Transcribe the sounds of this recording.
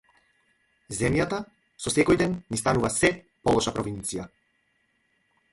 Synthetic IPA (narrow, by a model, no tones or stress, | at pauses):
zɛmjat̪a | sɔsɛkɔjd̪ɛnnist̪anuvasɛ | pɔlˠɔʃapɾɔvint̪sija